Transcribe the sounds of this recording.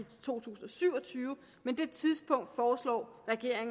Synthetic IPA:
it͡sʰo̝̰ːt͡sʰṵːsn̩ɒ̽syʊ̰ɒ̽t͡sʰyːʊə | mend̥e̝t͡sʰiðˠsb̥ɔ̽ŋ̰d̥fɒːslɒ̰ːʁɛɡ̥e̝ɐ̰eŋ

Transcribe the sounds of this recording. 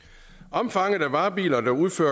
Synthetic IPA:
ɒ̽mfɑ̈ŋ̰əð̩ˠæʋɑ̈ːb̥ḭːlɐd̥ɑuð̞ˠfø̰ɐ

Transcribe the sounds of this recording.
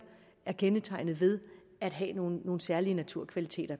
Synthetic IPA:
æɐkʰenət͡sʰɑ̈ɪ̰nð̩ˠʋe̝ð̞ˠ | æd̥ɦɛ̰no̝ːnːo̝ːn̩sæɐliənæt͡sʰuɐ̰kʰʋælit͡sʰe̝̰ːd̥ɐ

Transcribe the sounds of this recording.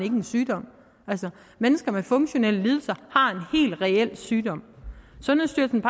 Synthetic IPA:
ne̝ɡ̥ənsyːd̥ɒ̽m̰ | æl̰sɐ | menəsɡ̥ɐmefɔ̽ŋɕo̝nel̰əliːð̞ˠl̩sɐhɑ̈e̝nhe̝̰ːld̥ʁɛel̰syːd̥ɒ̽m̰sɒ̽næsd̥yɐ̥sn̩pʰ

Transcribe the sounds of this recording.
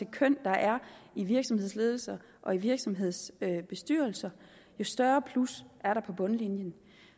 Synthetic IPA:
ekʰœn̰d̥ɑ̈ʔæɐiʋiɐɡ̥sɒ̽mhe̝ð̞̰ˠsle̝ːð̞ˠl̩sɐ | ʔɒ̽iʋiɐɡ̥sɒ̽mɦe̝ð̞̰ˠsøb̥e̝sd̥y̰ːɐl̩sɐ | jo̝sd̥ɶɐpʰlusʔæɐɾɑ̈pʰɒ̽b̥ɔ̽nlinjən

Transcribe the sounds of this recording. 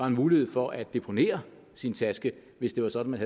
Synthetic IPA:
ɑ̈e̝nmuːlihe̝ð̰ˠfɒ̽ʔæd̥ːe̝pʰo̝ne̝̰ːɐ | sint͡sʰæsɡ̥ə | ʋe̝sd̥e̝ʋɑ̈sɒ̽d̥n̩mænhæ

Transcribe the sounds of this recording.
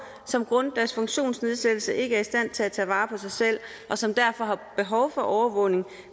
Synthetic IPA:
sɒ̽mɡ̥ʁɔ̽nd̥æɐsfɔ̽ŋɕo̝̰ːnsne̝ð̞ˠsed̥l̩səʔe̝ɡ̥əæɐisd̥æn̰t͡sʰe̝læt͡sʰɛ̰ːʋɑ̈ːpʰɒ̽sɑ̈ɪsel̰ | ʔɒ̽sɒ̽md̥æɐ̰fɒ̽ɦɑ̈b̥e̝ɦɒʊfɒ̽ʔɒʊɐʋɔ̽ʊne̝ŋ

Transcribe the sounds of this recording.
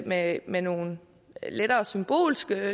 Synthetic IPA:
memeno̝ːn | led̥ɐːsymb̥o̝̰ːlsɡ̥ə

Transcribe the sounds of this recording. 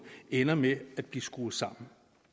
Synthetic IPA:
enɐmeæd̥̚b̥lisɡ̥uːsɑ̈m̰n̩

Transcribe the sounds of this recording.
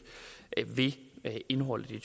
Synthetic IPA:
ʋe̝e̝nɦɒ̽l̰d̥it͡sʰ

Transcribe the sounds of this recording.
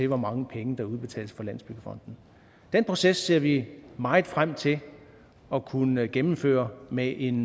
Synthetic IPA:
e̝ʋɒmɑ̈ŋəpʰeŋəd̥ɑ̈uð̞ˠb̥e̝t͡sʰɛ̰ːləsfɒ̽læn̰sb̥yɡ̥əfɒ̽n̰d̥n̩ | d̥enpʰʁo̝sesːe̝ɐ̰ʋimɑ̈ɪð̩ˠfʁam̰t͡sʰe̝ | ɒ̽kʰunəɡ̥emm̩fø̰ːɐmeʔe̝n

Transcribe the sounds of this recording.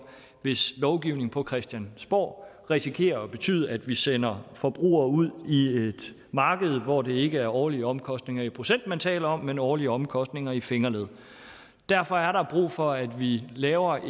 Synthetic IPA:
ʋe̝slɒʊɡ̥iʊne̝ŋ̩pʰɒ̽kʰʁɛsd̥jænsb̥ɒ̰ː | ʁisikʰe̝̰ːɐɒ̽b̥e̝t͡sʰy̰ːð̞̰ˠæd̥ʋisenɐfɒ̽b̥ʁṵːɐuð̞̰ˠie̝d̥ | mɑ̈ːɡ̥əð̞̩ˠʋɒd̥e̝e̝ɡ̥əæɐɒːliəɒ̽mkʰɒ̽sd̥ne̝ŋɐipʰʁo̝sen̰d̥̚mænt͡sʰɛ̰ːlɐɒ̽mːenɒːliəɒ̽mkʰɒ̽sd̥ne̝ŋɐifeŋɐleð̩̰ˠ | d̥æɐ̰fɒ̽æɐɾɑ̈b̥ʁṵːfɒ̽æd̥ʋilɛːʊɐ

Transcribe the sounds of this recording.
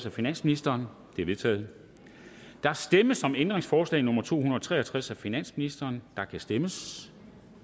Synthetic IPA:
sæfinæn̰sminisd̥ɐːn | d̥e̝ɐʋe̝t͡sʰɛ̰ːð̩ˠ | d̥ɑ̈æsd̥eməsɒ̽mend̥ʁeŋsfɒːslɛ̰ɪnɔ̽mɐt͡sʰo̝̰ːunɐɒt͡sʰʁɛ̰ːɐt͡sʰʁasæfinæn̰sminisd̥ɐːnd̥ɑ̈kʰæsd̥eməs

